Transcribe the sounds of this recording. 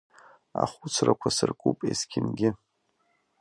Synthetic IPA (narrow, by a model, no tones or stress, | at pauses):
aχʷʊt͡sʰrakʷʰasɨrkʼupʼeskʲʰɪnɡʲɪ